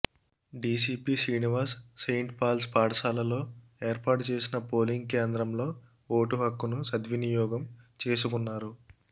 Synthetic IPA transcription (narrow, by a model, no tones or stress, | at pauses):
ɖiːsiːpiːsiːniʋɐɾsːejɳʈpaːlspaːɽɐsaːlɐlo̞ː | eːɾpaːʈt͡ʃe̞ːsinɐpo̞ːliŋɡ̚keːnd̪ɾɐmlo̞ː | oːʈuɦɐkːunusɐd̪ʋinijɔːɡɐmt͡ʃe̞ːsukunːaːɾu